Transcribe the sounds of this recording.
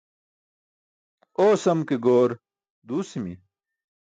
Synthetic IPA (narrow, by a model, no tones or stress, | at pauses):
oːsɐmkeɡoːɾ | d̪uːsimi